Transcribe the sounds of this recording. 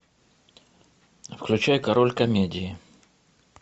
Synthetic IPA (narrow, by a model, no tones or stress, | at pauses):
fklʲʉt͡ɕajʊkɐɾo̞lʲkɐmʲedʲɪɪ